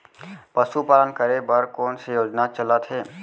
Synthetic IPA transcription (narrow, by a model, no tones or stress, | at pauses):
pəsupaːlənkəɾebəɾkɔːnsejoːd͡ʒnat͡ʃələt̪ʰɦɛː